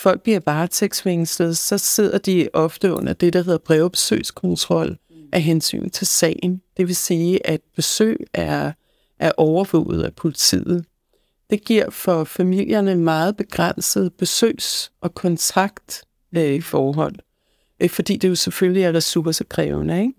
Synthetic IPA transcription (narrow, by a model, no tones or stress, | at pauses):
fɒ̽l̰ɡ̥̚b̥liɐb̥ɑ̈ːt͡sʰeɡ̥sʋeŋsləð̩ˠsɒ̽se̝ð̞̰ˠɐd̥iɒ̽fd̥əɔ̽n̰ɐd̥e̝ɾ̥æɦe̝ð̰ˠɐb̥ʁɛʊb̥e̥sø̰ːskʰɒ̽nt͡sʰʁɒ̽l̰ʔæɦensy̰ːn̩t͡sʰe̝lsɛ̰ːɪn̩d̥e̝ʋe̝siːʔæd̥̚b̥e̝sø̰ːæɐ | ʔæɐʔɒʊɐʋɔ̰ːʊð̞̩ˠæpʰo̝lit͡sʰḭːð̩ˠ | d̥e̝ɡ̥iɐ̰fɒ̽fæmil̰jɐnəmɑ̈ːð̞̩ˠb̥e̝ɡ̥ʁan̰səð̩ˠb̥e̝sø̰ːsʔɒ̽kʰɒ̽nt͡sʰɑ̈ɡ̥d̥ | ifɒːɦɒ̽n̰ | fɒ̽d̥ḭːd̥e̝jo̝sefølliæɐdɐsub̥ɐsɒkʰʁɛːʊnəeɡ̥